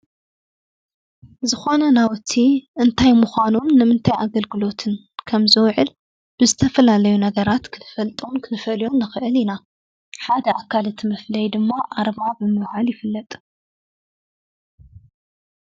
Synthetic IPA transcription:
zɨxo̞nɐnawt̪ʰːiʔɨnt̪ʰajmuxʷanomnɨmɨnt̪ʰajaɡɐlɡɨlo̞t̪ʰɨn | kʰɐmzɨwʕɨl | b̥ɨzɨt̪ʰɐfɐlalɐjunɐɡɐɾat̪kʰɨnɨfɐlt̪ʼunkʰɨnɨfɐljonːɨxɨʔɨlina | ħad̪ɐʔakʰːalɨt̪ʰimɐflɐjd̪ɨmːaʔaɾβabɨmɨwhaljɪfɨlːɐt̪ʼ

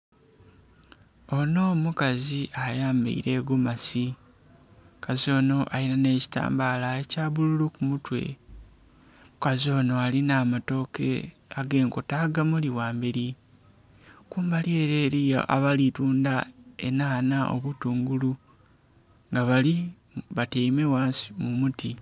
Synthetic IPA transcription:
o̞no̞ːmukaziʔajaːmba̰ḭɾe̞ːɡumasi | kazo̞ːno̞ʔainane̞ːci̥ta̰ːmbalaecaːβululukumutwe̞̰ | kazo̞ːno̞alinaːmato̞ke̞̰ | aɡe̞ːŋko̞taːɡamuliwaːmbeɾi | kuːmbalie̞ɾe̞ːɾijo̰ʔa̰βalituːndaḛnaːnaʔo̰βutuːŋɡulu | ŋɡaβali | βateimewaːnsi̥mumuti

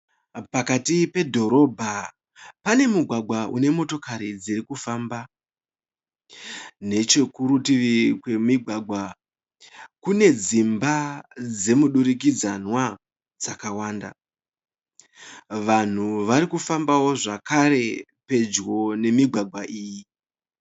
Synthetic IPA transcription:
pakatipe̞dʱo̞ɾo̞bʱa | pane̞muɡʱwaɡʱwaʔune̞mo̞to̞kaɾid͡ziɾikufamba | ne̞t͡ʃe̞kuɾutiʋikwe̞miɡʱwaɡʱwa | kune̞d͡zimbad͡ze̞muɗuɾik̬id͡zanwa | d͡zakawaːnda̰ | ʋan̤uʋaɾikufambawo̞ʐakaɾe̞ | pe̞d͡ʒɣo̞ne̞miɡʱwaɡʱwaʔiːji

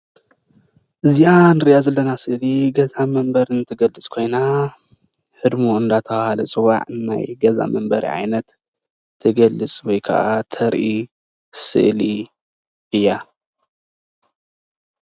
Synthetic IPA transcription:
ʔɨzianɨɾiʔazɐlːɐnasɨʔliɡɐzamɐmbɐɾɨnɨt̪ʰɨɡɐlːɨt͡sʼkʰo̞jna | ħɨd̪muɨnd̪at̪ʰɐwahalɐt͡sʼɨwa̰ʕna̰jɡɐza̰mɐmbɐɾḭʕa̰jnɐt̪ʰː | ɨɡɐlːɨt͡sʼwɔjkʰɐ̰ʔat̪ʰɐɾʔi | sɨ̰ʔli | ʔɨjːa

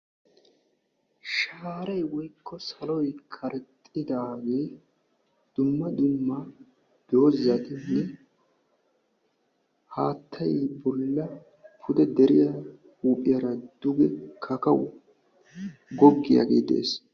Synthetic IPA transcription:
ʃaːɾɐjwɔjkːɔsɐlɔjkʰɐɾɛt̪ʼːɪd̪aːɡe̞ː | d̪̥ʊmːɐd̪ʊmːɐ | d̪̥o̞ːzːɐt̪ɪnːɛ | haːt̪ʰːɐjbɔlːɐ | pʰʊd̪ɛd̪ɛɾɪjɐ | huːpʼɪjɐɾɐd̪̥ʊɡɛkʰɐkɐwʊ | ɡɔɡːɪja̰ɡḛːd̪e̞̰ːs

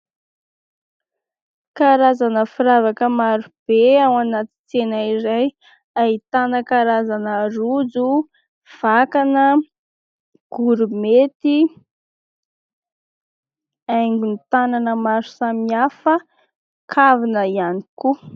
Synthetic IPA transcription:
kaɾazanəfiɾavakəmaɾub̥eawanat̪i̥t͡senaiɾaj | ait̪anəkaɾazanəɾud͡zu | v̥akanə | ɡ̥uɾumet̪i | ajŋɡunt̪ananəmaɾu̥samiafə | kʰavinəianiku

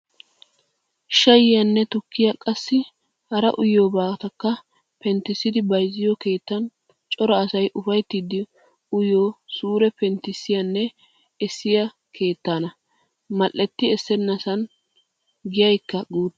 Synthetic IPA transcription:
ʃɐjɪjɐnːɛt̪ʊkːɪjɐkʼɐsːɪ | hɐɾɐ̰ʔʊjoːbaːt̪ɐkːɐ | pɛnt̪ːɪsːɪd̪ɪbɐjzːɪjoke̞ːt̪ːɐn | t͡ʃʼɔɾɐːsɐjʔʊfɐjt̪ːid̪ɪ | ʊjoːsuːɾɛpɛnt̪ːɪsːɪjɐnːɛ | ɛsːɪjɐ | kʰe̞ːt̪ːaːnɐ | mɐlʔːɛt̪ːɪɛsːɛnːɐsɐn | ɡɪjɐjkːɐɡuːd̪

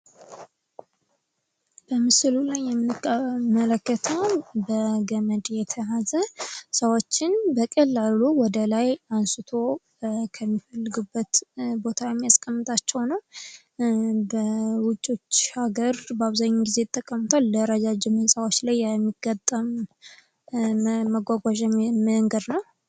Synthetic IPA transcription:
b̥əmɨsɨlulajːɛmːɨɨmələkːət̪ʰəwbəɡəməd̪jɛt̪ʰəjazəsəwot͡ʃːɪnbəkʼəlːaluwɔd̪əlajansɨt̪ʰo̞ | kʰəmːifəlːɨɡubːət̪bo̞t̪ʰawjɛmːijaskʼːəmːɨt̪ʼat͡ʃːɛwnəw | bəwʊt͡ʃʼːot͡ʃːhaɡəɾbəaβzaɲːuɡize̞t̪ʼːəkʼːəmɨt̪ʰalːəɾəd͡ʒad͡ʒɪmɨnsʼawot͡ʃːlajːɛmːiɡ̥ət̪ʼːəm | məɡʷaɡʷaʒməŋɡəd̪nəw

